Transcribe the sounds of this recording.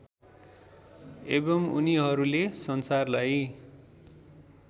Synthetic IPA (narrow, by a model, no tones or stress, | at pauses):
ebʌmuniɦʌɾulesʌnsarlaj